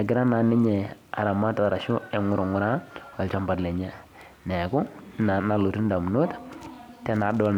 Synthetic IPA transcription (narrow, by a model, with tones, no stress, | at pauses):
a˨ɡɪ˦ɾa˦na˨ni˦ɲɛ˨a̰˨ɾa˨ma˦ta˨a˨ɾa˨ʃu˦ɛ˨ŋu˦ɾo˨ŋʊ˦ɾa˦wa˨lt͡ʃa˦mba˨dlɛ˨ɲɛ˦ | nɛ˨ku˦˨na˨lo˨tu˦n˦da˨m˨no˦ttɛ˦na˨˦dɔ˦l